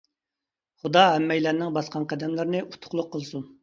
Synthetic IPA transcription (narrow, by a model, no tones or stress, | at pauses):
χud̪ɑɦɛmːɛjlænɪŋbɑsqʰɑnqæd̪ɛmlɪɾnɪʔut̪ʰʊ̥χlˠʊqʰːəlˠsun